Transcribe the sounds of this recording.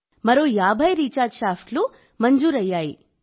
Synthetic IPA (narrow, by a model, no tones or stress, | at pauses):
mɐɾoːjaːbʱajɾiːt͡ʃaːɾd͡ʒʃaːfʈlu | mɐnd͡ʒuːɾɐjjaːiː